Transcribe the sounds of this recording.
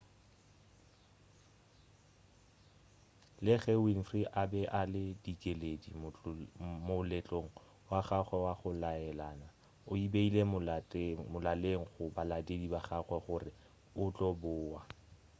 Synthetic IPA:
lɪχɛwinfriʔabɛʔalɪdikʼeledim | mʊlɛt͡ɬʼoŋ̩ | waχaχwɛwaχʊlaɛlaːna | ʊibeilemʊmʊlaleŋ̩χʊbaladʼedibaχaɣwɛχʊrɪ | ʊt͡ɬʼɔbʊːwa

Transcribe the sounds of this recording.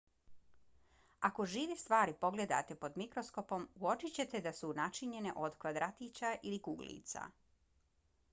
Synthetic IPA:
ako̞ʒiːʋest̪ʋaːɾipo̞ɡle̞d̪a̰t̪e̞po̞d̪mikɾo̞sko̞po̞muo̞t͡ʃit͡ɕe̞t̪e̞d̪asunat͡ʃiɲe̞ne̞̰ʔo̞d̪kʋad̪ɾat̪it͡ɕaʔilikuɡlḭːt̪sa̰

